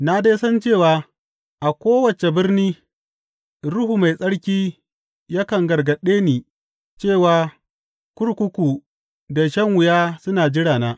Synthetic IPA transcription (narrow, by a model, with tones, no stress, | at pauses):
na˦deː˦sɐ˦nt͡ʃeː˦˨waː˨ | ʔa˨kʷoː˦wɐ˨t͡ʃe˨bɪ˦rniː˦ | ɽʊ˦ɦu˨ma˨jsʼɐ˦ɽkʲiː˦ | ja˦kɐ˨ŋɡɐ˨ɽɡɐ˨ɗeː˦niː˨ | t͡ʃeː˦˨waː˨ | kʷʊ˦ɽkʷʊ˦kʷu˨ | da˨ʃɐ˦ŋwʊ˨jaː˦sʊ˦naː˨d͡ʒɪ˦ɽaː˨naː˦